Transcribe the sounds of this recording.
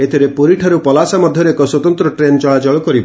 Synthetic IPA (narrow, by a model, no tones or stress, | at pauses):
et̪ʰiɾepoɾiʈʰaɾupɔlasamɔd̪ʱjɔɾeekɔswɔt̪ɔnt̪ɾɔʈɾent͡ʃɔɭad͡ʒɔɭɔkɔɾibɔ